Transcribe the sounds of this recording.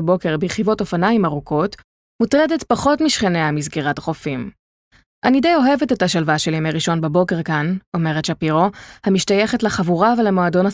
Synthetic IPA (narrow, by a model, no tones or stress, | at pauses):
bo̞ke̞ʁbejχivo̞to̞fanaimaʁukʰo̞t | mutʁedetpaχo̞tmiʃχeneamizɡeʁataχo̞fim | ʔanidejo̞ɦe̞vetethaʃalvaʃe̞lemejʁiʃo̞nbebo̞ke̞ʁkano̞me̞ʁetʃapiʁo̞hamiʃtajeχetleχavuʁavelemoado̞na